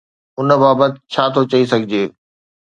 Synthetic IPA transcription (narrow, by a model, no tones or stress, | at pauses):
ʊnbaːbət̪ɪ̆t͡ɕʰaːt̪ʰot͡ɕɐisɐɡʱɪd͡ʑeː